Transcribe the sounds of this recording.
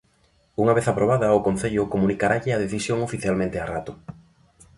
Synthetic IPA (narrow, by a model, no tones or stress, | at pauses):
uŋaβeθapɾoβ̞aðɐokon̟θeʎʊkomunikaɾaʎɪað̞eθisjoŋofiθjalmẽnt̪earat̪ʊ